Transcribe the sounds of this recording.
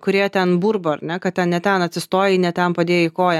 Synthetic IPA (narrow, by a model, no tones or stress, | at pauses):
kʊɾʲeːjt̪ʲɛnbuːɾbɐɐɾnʲɛkɐt̪tʲɛnnʲɛt̪ʲɛnɐt̪ʲsʲɪst̪oːjɪnʲɛt̪ʲɛnpɐd̪ʲeːjɛɪkoːjɛ